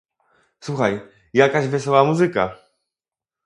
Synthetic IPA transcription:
swuxaj | jakaʑvɛsɔwamuzɘka̰

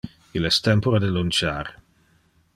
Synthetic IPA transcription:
ilɛst̪ɛmpoɾad̪elunt͡ʃaːɾ

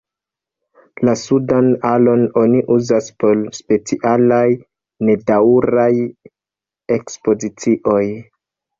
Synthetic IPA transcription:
lasudanalo̞no̞niʔuzaspo̞lspe̞t͡siʔalaj | ne̞dauɾaj | e̞kspo̞zit͡siʔo̞j

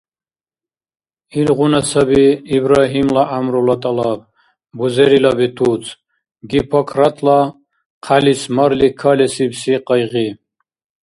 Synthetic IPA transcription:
ilʁunasabiiːbɾaɦimlaʔamɾɔlat̪ʼalab̚ | buzɛɾilabit̪ʰut͡sʰ | ɡipʰɔkʰɾat̪ʰla | qʰalismaɾlikʰalɛsibsiqʼəjʁi

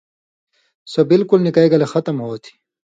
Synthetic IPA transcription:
sɐbɪlkʊlnikɐiɡɐlexɐt̪ɐmɦoːt̪ʰi̥

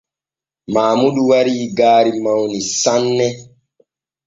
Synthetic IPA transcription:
maːmuɗuwaɾiːɡaːɾimawnisanːɛ

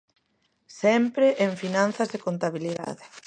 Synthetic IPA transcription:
sɛmpɾeʔeɱfinan̟θazðekont̪aβ̞iliða̰ðɪ

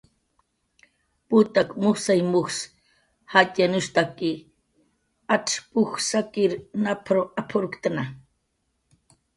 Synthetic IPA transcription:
put̪akmuxsajmuxs | hatanust̪aki | aʈ͡ʂpuxsakiɾnapʰɾoapʰoɾukt̪ana

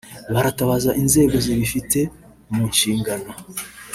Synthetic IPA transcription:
βaɾataβaːzaʔinze̞ːɡo̞ziβifite̞ | muːɲʃiːŋɡano̞

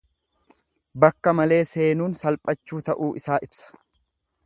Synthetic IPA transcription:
bɐkːɐmɐle̞ːse̞ːnuːnsɐlpʼɐt͡ʃːuːt̪ɐʔuːʔɪsaːʔɪb̥sɐ̥

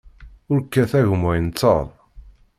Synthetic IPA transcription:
ʊɾkːæθæʝmæjnt͡sːə̰ðˤ

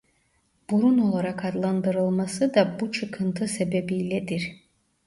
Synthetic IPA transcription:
b̥uɾuno̞lˠaɾakʰad̪lˠand̪ɯɾɯlˠmasɯd̪ɑbut͡ʃʰɯkʰɯnt̪ʰɯse̞bebijlʲɛd̪iɾ

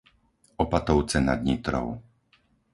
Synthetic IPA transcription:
ɔpat̪ɔʊt͡sɛna̰d̪ɲit̪ɾɔ̰ʊ

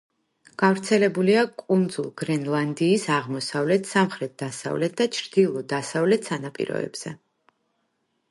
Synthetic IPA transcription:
ɡ̥avɾt̪sʰɛlɛbuliakʼund̪zulˠɡ̥ɾɛnlˠand̪iːsaʁmɔsavlɛt̪ʰsamχɾɛt̪̚d̪̥asa̰vlɛt̪̚d̪at͡ʃʰɾd̪̥ilˠɔd̪asavlɛt̪ʰsanapʼḭɾɔ̰ɛ̰b̥z̥ɛ

